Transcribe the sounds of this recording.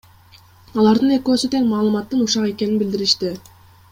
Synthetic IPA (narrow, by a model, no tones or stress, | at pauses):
ɑlˠɑɾd̪ɯne̞køːsyt̪e̞ŋmɑːlˠɯmɑt̪ːɯnuʃɑqe̞keninbild̪iɾiʃt̪i